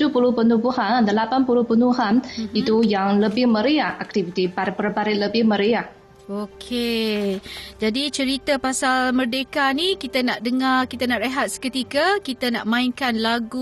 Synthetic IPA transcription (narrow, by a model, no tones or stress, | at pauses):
upuluhpənubuhanndəlapanpuluhpənuɦanit̪ujaŋləbɪhməɾiahak̚t̪ivit̪ibaɾpərbaɾɪləbɪhməɾiah | okʰe | d͡ʒadit͡ʃəɾit̪apasalmərdekanikit̪anaʔdəŋarkit̪anaʔrəɦat̪̚sə̥kət̪ikakit̪anaʔmãiŋkanlaɡu